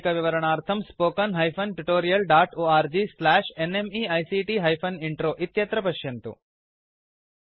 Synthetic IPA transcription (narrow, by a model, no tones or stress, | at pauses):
kɐʋiʋɐɾɐɳaːɾt̪ʰɐmspoːkɐnɦɐjpʰɐnʈuʈoːɾijɐlɖaːʈoːaːɾd͡ʒiːslæːʂenemiɐjsiːʈiːɦɐjpʰɐniɳʈɾoːʔit̪jɐt̪ɾɐpɐʃjɐnt̪ṵ